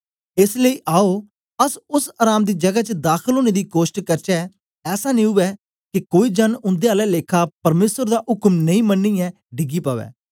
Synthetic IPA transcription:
ɪsləiːʔaːoː | əsʊsaːɾaːmd̪iːd͡ʒəɡaːt͡ʃəd̪aːkʰəloːneːd̪iːkoːʃʈkəɾt͡ʃɛː | ɛːsaːnĩːʊʋɛː | kɪkoːiːd͡ʒənʊ̃nd̪eːaːlɛːleːkʰaːpəɾmeːsəɾd̪aːʔʊkmnəĩːmənːĩːɛ̃ː | ɖɪɡiːpaːʋɛ̰ː

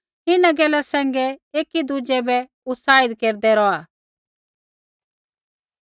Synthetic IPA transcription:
ɪnaɡɛːlasɛ̃ːŋɡɛeːkid̪ud͡ʒɛbɛ | ʊt̪saːɪd̪keːɾd̪ɛɾɔaː

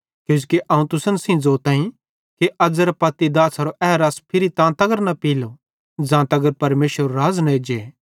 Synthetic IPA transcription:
kjõːskeʔɐ̃ːũt̪ʊsənsĩd͡zoːt̪ãːĩ | keʔɐd͡zɐɾɐpɐt̪ːid̪aːsɦɐɾoʔɛːɾaːspʰɪɾit̪ãːt̪ɐɡəɾnɐpiːlo | d͡zãːt̪ɐɡəɾpɐɾmeːʃʋəɾoɾaːznɐeːd͡ʒe

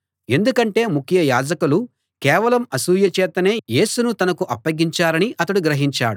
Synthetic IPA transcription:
e̞nd̪ukɐɳʈe̞ːmukʰːjɐjaːd͡ʒɐkulu | kɛːʋɐlɐmɐsuːjɐt͡ʃɛːt̪ɐne̞ːje̞ːsunut̪ɐnɐkuʔɐpːɐɡiɲt͡ʃaːɾɐniʔɐt̪ɐɽuɡɾɐɦiɲt͡ʃa̰ːɽu

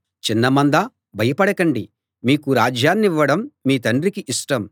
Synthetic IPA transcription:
t͡ʃinːɐmɐnd̪ɐ | bʱɐjɐpɐɽɐkɐɳɖi | miːkuɾaːd͡ʒjaːnːiʋːɐɽɐmːiːt̪ɐnɳɖɾikiʔiʂʈɐm

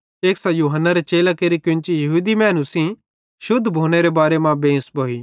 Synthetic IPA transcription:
eːksãjuːɦənːaɾet͡ʃeːlakeɾikʊ̃nt͡ʃijɐɦuːd̪imɛːnusĩ | ʃʊd̪ʱːbʱoːɽ̃eɾebaːɾemãbẽːsboːiː

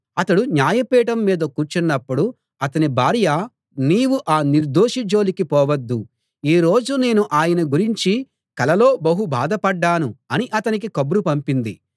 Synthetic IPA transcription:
ɐt̪ɐɽuɲjaːjɐpiːʈɐmːiːd̪ɐkuːɾt͡ʃinːɐpːuɽu | ɐt̪ɐnibʱaːɾja | niːwuʔaːniɾd̪oːʂid͡ʒo̞ːlikipɔːʋɐd̪ːu | iːɾo̞ːd͡ʒune̞ːnuʔaːjɐnɐɡuɾiɲt͡ʃi | kɐlɐlo̞ːbɐɦubaːd̪ɐpɐɖːaːnuɐniʔɐt̪ɐnik̬ikɐbɾupɐmpind̪ḭ

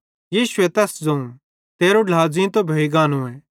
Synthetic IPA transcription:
jiːʃʊɛt̪ɛsd͡zõũ | t̪eːɾoɖaːd͡zĩt̪obʱɐiɡaːnũɛ̃ː

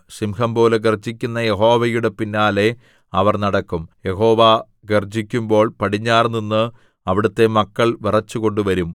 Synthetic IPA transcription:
simhɐmpo̞ːleɡerd͡ʑikʲːunːɐje̞ɦo̞ːʋɐjuɽe̞pinːaːle̞ | ɐʋɐrnɐɽɐkːumje̞ɦo̞ːʋa | ɡerd͡ʑikʲːumbo̞ːɭpɐɽiɲːaːrninːɨ | ɐʋiɽut̪ːe̞mɐkːɐɭʋirɐt͡ɕːuko̞ɳɖuʋɐɾum

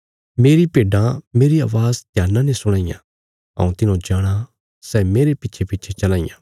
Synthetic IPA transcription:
meːɾipeːɖãmeːɾia̰ːʋaːzd̪ʱjaːnãnɛsʊɽ̃aːɪjã̰ | ɐ̰ũt̪ɪnõd͡ʒaːɽ̃a | sɛːmeːɾepɪtːt͡ʃʰepɪtːt͡ʃʰet͡ʃɐlaːɪjã̰ː

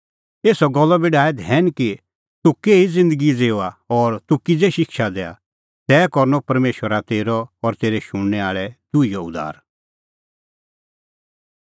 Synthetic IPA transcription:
eːsɔɡɔlːɔbiɖaːɛd̪ʱɦɛːniki | t̪ukeːid͡zɪ̃nd̪əɡid͡zeːʊaɔɾt̪ukɪd͡zɛʃɪkʃad̪ɛːa̰ | t̪ɛːkɔɾnɔpɐɾmeːʃʋəɾat̪eːɾɔɔɾt̪eːɾɛʃʊɽ̃nɛaːɭɛd̪ʊijɔʊd̪a̰ːɾ

